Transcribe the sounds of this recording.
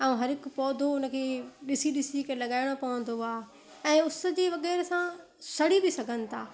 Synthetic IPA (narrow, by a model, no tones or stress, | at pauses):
ɛ̃ũɦɐɾɪkʊpɔːd̪ʱoʊnə̆kʰeːɗɪsiɗɪsikəlɐɠaːɪɽ̃opɐʋə̃nd̪oaː | ɛ̃ːʊsə̆d͡ʑeːʋɐɣɛːɾsã | sɐɽ̤ibʱɪsɐɡʱənɪ̆t̪ʰaː